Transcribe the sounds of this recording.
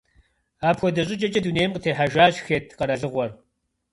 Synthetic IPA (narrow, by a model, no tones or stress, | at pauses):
aːpxʷɔdɐɕʼɪt͡ʃʼɐt͡ʃʼɐduneːjmqətʰeːħaʒaːɕxeːtʰqɐɾɐɮɨʁʷɔr